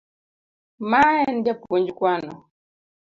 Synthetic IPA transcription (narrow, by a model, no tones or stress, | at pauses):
maɛndapukɔɲd͡ʒukwanɔ̰